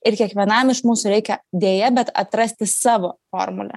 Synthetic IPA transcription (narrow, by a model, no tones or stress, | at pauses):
ɪɾkʲiɛkʋʲiɛnɐmɪʃmuːsʊɾʲɛɪkʲɛd̪ʲeːjɛbʲɛt̪ɐ̰t̪ɾɐsʲt̪ʲɪsɑːʋoːfo̰ːrmʊ̰lʲɛ̰